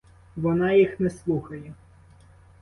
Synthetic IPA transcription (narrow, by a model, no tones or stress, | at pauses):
ʋɔnɑjixnɛslˠuxɐjɛ